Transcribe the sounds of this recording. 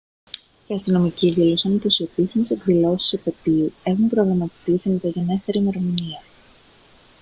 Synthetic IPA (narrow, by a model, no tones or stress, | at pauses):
iɐst̪ino̞miciðilo̞sɐmit̪osio̞pisθimese̞kðilo̞si̥sopet̪iue̞xumpɾoɣɾɐmɐt̪i̥t̪isimet̪ɐʝene̞st̪e̞ɾime̞ɾo̞miniɐ